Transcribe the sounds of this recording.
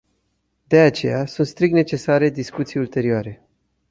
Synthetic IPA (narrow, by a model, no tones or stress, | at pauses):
d̪e̞at͡ʃe̞̰jasunt̪st̪ɾik̪̚ne̞t͡ʃe̞saɾe̞d̪iskut̪sijult̪e̞ɾioaɾe̞